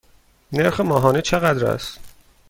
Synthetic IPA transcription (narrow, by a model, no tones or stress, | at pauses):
neɾxemɒːɦɒːnet͡ʃʰeɣæd̪ɾæ̰st̪